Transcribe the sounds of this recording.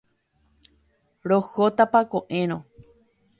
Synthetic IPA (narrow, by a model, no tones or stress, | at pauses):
ɾohot̪apakõʔẽɾ̃õ